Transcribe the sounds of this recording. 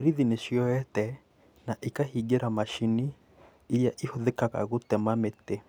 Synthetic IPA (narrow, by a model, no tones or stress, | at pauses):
ɾiðineʃjɔɛtɛ | naʔikahiɡeɾamaʃini | ijaʔihoðɛkaɣa̰ɣutɛmamete